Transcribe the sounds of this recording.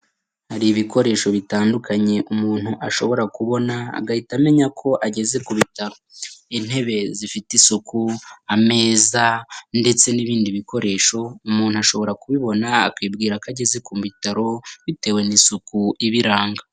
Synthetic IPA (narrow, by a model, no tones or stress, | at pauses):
haɾiːβiko̞ɾe̞ːʃo̞βitaːndukʰaɲe̞ʔumuːn̥huʔaʃo̞βo̞ɾakuβo̞na̰ːɡahitame̞ɲakʰo̞ʔaɟe̞ze̞kuβitaɾoin̥he̞βe̞zifitisukʰuame̞ːzande̞t͡se̞niβiːndiβiko̞ɾe̞ːʃo̞umuːn̥uaʃo̞βo̞ɾakuβiβo̞naːkwiːbɡiːɾakaɟe̞ze̞komuβitaɾo̞βite̞ːwenisukuiβiɾaːŋɡa